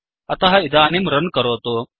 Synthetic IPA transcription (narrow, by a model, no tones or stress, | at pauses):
ɐt̪aɦaid̪aːnimɾənkəɾoɦt̪o